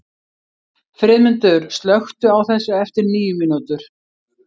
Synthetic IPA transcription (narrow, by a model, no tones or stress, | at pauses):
fɾɪːðmʏnt̪ʏɾst̪lœxt̪ʏawθɛsːʏɛft̪ɪɾniːjʏmɪnut̪ʏɾ̥